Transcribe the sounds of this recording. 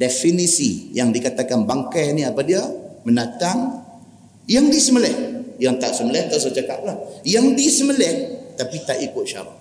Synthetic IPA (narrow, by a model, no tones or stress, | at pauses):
definisḭjaŋdikat̪akanbaŋkaniapadiamənat̪aŋ | jaŋdisəməlɛhjaŋt̪aʔsəməlɛht̪aʔsəd͡ʒaka̰ʔlahjaŋdisəməlɛht̪apit̪aʔikʊt̪̚ʃa̰ɾa̰